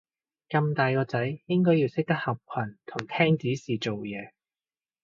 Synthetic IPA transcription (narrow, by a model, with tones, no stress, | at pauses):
kɐ˧mt̪aː˨jkɔː˧t͡sɐ˨˥jjɪ˥ŋkɔː˥jiː˧wsɪ˥k̚t̪ɐ˥k̚hɐ˨p̚kʷʰɐ˨˩nt̪ʰʊ˨˩ŋt̪ʰɛː˥ŋt͡siː˨˥siː˨˩t͡so˨wjɛː˨˧